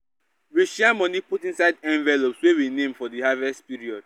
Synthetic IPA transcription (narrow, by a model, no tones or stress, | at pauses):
ɹeʃiãnmɔniputĩnsaɪdɛ̃ɱvɛlopswewinẽmfɔðihavɛstpiɹiɔd̥̚